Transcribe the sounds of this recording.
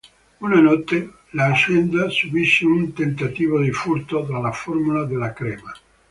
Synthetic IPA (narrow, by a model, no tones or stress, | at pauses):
unanɔt̪ːe | lat͡ʃɛnd̪asubiʃːeunt̪ent̪at̪iːvod̪ifuɾt̪od̪ɾalaformulad̪elakɾɛːma